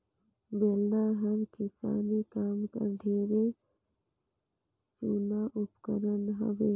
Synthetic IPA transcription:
beːlaɦəmkɪsa̰ːnikaːmkə̰ɾɖʱeːɾe | t͡ʃuːnaʔʊpkəɾənɦə̰ʋeː

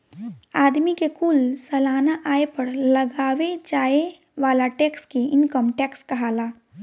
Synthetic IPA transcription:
aːd̪mikekʊlsɛlaːnaʔaːepɐɾlɐɡaːʋed͡ʒaːe | ʋaːlaʈɛːkskiɪnkəmʈɛːkskɐɦaːlaː

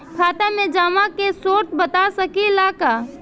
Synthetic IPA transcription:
kʰaːt̪amẽd͡ʒaːmakesoːɾt̪̚bət̪asəkilaːka

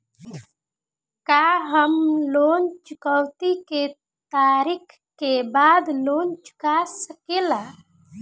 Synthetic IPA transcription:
kaːɦəmloːnt͡ʃʊkəwt̪ike | t̪aːɾikʰ | kːebaːd̪loːnt͡ʃʊ̥kasəkeːlaː

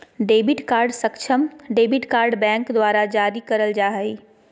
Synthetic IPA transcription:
ɖeːbɪʈkaːɾɖsɐkt͡ʃʰəmɖeːbɪʈkaːɾɖbɛ̃ːŋkd̪waːɾad͡ʒaːɾikɐɾəld͡ʒaːɦəe

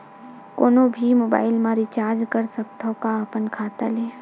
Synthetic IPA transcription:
koːnõbʱimoːba̰ːɪlmãɾɪt͡ʃaːɾd͡ʒkəɾsək̚t̪okaːpənkʰaːt̪aleː

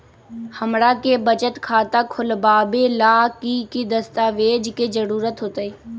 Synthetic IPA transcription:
həmɽaːkebət͡ʃət̪kʰaːt̪akʰʊlbaːbelaːkikid̪əst̪aːʋeːd͡ʒked͡ʒəɾuːɾət̪ɦoːt̪əiː

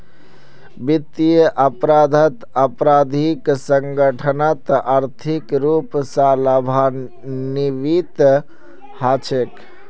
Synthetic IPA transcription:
bit̪ːijəʔəpɾad̪ʱət̪əpɾad̪ʱiksəŋɡəʈʰənət̪ʔaɾt̪ʰikɾupsaləbʱa | niʋit̪ | hat͡ʃʰek

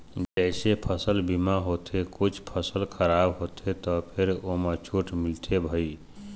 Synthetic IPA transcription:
d͡ʒəɪsepʰəsəlbimaɦot̪ʰekut͡ʃʰpʰəsəlkʰəɾabɦot̪ʰet̪ɔpʰeɾomet͡ʃʰuʈmilt̪ʰebʱəi

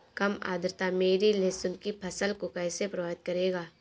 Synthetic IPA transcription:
kɐma̰ːd̪ɾt̪ameːɾilesʊnkipʰɐsəlkʊkajsepɾɐʋaːɪt̪̚kɐɾeːɡaː

